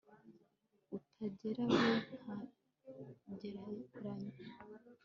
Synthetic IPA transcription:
utʰaɟeɾaβon̥ha | ɟeɾaɾaɲo

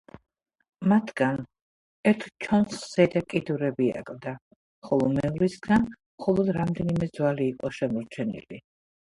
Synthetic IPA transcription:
mat̪ʰɡan | ɛɾt̪ʰt͡ʃʰɔnsχz̥ɛd̪akʼid̪uɾɛbia̰kʼld̪a | χɔlˠɔmɛɔɾisɡan | mχɔlˠɔd̪ɾamd̪ɛnimɛd̪zwaliːqʼɔʃɛmɔɾt͡ʃʰɛnḭli

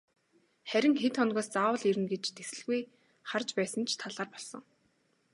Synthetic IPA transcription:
χæɾʲɪ̆ŋxet̪χɔnɣɔːst͡saːwə̆ɮiɾɘ̆nɡet͡ɕt̪esɘ̆ɮɣuj | χart͡ɕpæːsə̆nt͡ɕʰt̪ʰaɮaːrpɔɮsɞ̆ŋ

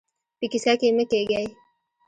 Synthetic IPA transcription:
pikiskakemekeɡaj

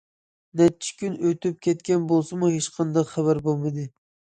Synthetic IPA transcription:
nɛt͡ʃʰi̥kʲynøt̪yp̚kʲɛt̪kʲɛnbolˠsɨmuhet͡ʃqʰɑnd̪ɑqχæβæɾbolˠmɨd̪ɨ

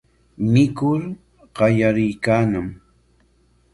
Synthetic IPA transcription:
mɪkʊɾ | ɢɑjaɾɪjkaːnam

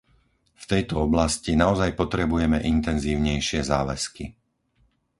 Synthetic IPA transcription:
ft̪ɛjt̪ɔɔblascinaɔzajpɔt̪ɾɛbujɛmɛʔint̪ɛnziːʊɲɛjʃɪɛzaːʋɛski

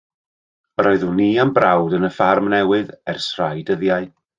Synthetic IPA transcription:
əɾɔɨðuniːambrawdənəfarmnɛwɨðɛrsrajdəðjaɨ

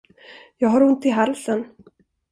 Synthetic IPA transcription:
jɑːɡɦaɾɵnt̪ɪɦalsən

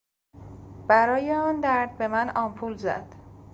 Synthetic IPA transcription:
b̥æɾɒːjeɒːnd̪æɾd̪̚be̞mænɒːmpʰulzæ̰d̪̥

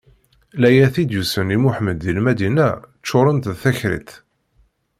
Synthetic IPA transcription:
læjæθid̪jusənimuħməd̪ilmæd̪inæt͡ʃːʊɾˤənt̪ðθæçɾḭt̪

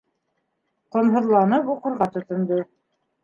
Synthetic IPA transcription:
qŏnɦɤ̆ðlˠɑnɤpuqɤ̆ɾʁɑt̪ŏt̪ŏnd̪o

